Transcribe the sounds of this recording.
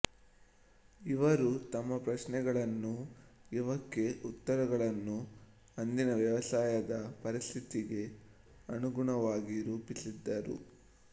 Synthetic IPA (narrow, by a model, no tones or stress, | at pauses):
iʋɐɾut̪ɐmːɐpɾɐsnɛɡɐɭɐnːuiʋɐkːe̞ʔut̪ːɐɾɐɡɐɭɐnːu | ɐnd̪inɐʋjɐʋɐsaːjɐd̪ɐpɐɾist̪ʰit̪iɡe̞ | ɐnuɡuɳɐʋaːɡiɾuːpisid̪ːɐɾṵ